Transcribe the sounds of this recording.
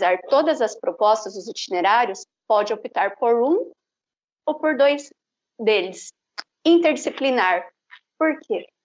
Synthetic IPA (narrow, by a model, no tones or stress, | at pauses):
zaɾt̪od̪ɐzɐspɾopɔst̪ɐzʊzit͡ʃineɾaɾjʊs | pɔd͡ʒɪopit̪aɾpoɾũ | opoɾd̪ojz | d̪elɪs | ĩnt̪eɾd͡ʒisiplinaɾ | poɾkʰe